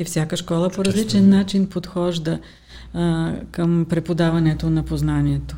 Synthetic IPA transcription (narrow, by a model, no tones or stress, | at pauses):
ifsʲjakəʃkɔlˠəpoɾɐzlit͡ʃɛnːat͡ʃinpot̪xɔʒd̪ə | kəmpɾɛpod̪avɐnɛt̪onɐpoznaniɛt̪o̥